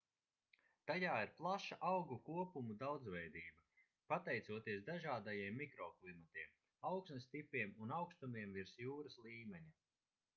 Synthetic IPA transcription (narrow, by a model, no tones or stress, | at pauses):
t̪ajaːiɾplˠaʃaʔawɡukuɔpumud̪awd̪zvɛjd̪iːbɐ | pat̪ɛjt̪suɔt̪iɛsd̪aʒaːd̪ajiɛmːikɾɔklˠimat̪iɛm | awksnɨst̪ipʲːiɛmunawkst̪umiɛmviɾsjuːɾaslˠiːmʲɛɲa